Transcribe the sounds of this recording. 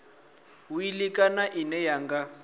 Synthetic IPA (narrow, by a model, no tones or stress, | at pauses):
uilikʼanaʔinɛjaŋɡa